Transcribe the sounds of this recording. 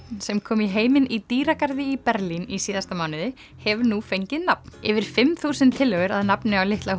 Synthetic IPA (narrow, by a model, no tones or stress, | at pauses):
sɛmkʰɔːmiɦeːjmɪnit̪iːɾakaɾðɪipɛɾlinisiːðast̪amaːwnɪðɪ | hɛvɾnufejɲcɪðnap̚nɪ̰vɪɾ̥fɪmθuːsɪnt̪ʰːɪlːœɣʏɾaðnapnɪawlɪht̪la